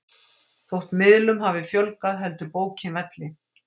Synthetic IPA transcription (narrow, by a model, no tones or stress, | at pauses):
θowht̪mɪðlʏmɦavɪfjœlkaðɦɛlt̪ʏpoːwcʰɪvɛt̪lɪ